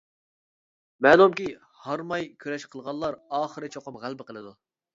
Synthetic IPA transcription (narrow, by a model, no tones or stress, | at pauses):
mɛːlˠumkʲi | hɑɾmɑjkʲʰøɾɛʃqʰəlˠʁɑlˠːɑɾɑːχəɾɨt͡ʃʰoqʊmʁælˠbɪqəlˠɨd̪u